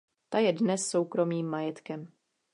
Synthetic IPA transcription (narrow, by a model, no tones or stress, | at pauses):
t̪ajɛdnɛsːo̞wkɾo̞miːmːajɛt̪kɛm